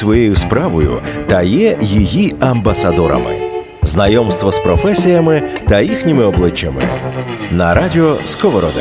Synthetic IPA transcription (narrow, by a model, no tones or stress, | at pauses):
ʋɔjejʊspɾaʋɔjʊ̰t̪ɐjɛjiɦiɐmbɐsɐd̪ɔɾɐ̰mɪ̰ | znɐjɔmst̪ʋɔspɾɔfɛsʲijɐmɪt̪ɐjixnʲɪmɪɔblˠɪt͡ʃːɐmɪ̰nɐɾadʲɪɔskɔʋɔɾɔd̪ɪ̰